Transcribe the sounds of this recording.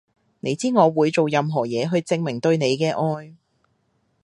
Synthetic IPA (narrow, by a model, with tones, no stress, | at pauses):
ne˨˧jt͡siː˥ŋɔː˨˧wuː˨˧jt͡so˨wjɐ˨mɦɔː˨˩jɛː˨˧ɦɵ˧ɥt͡sɪ˧ŋmɪ˨˩ŋt̪ɵ˧ɥne˨˧jkɛː˧ʔɔː˧j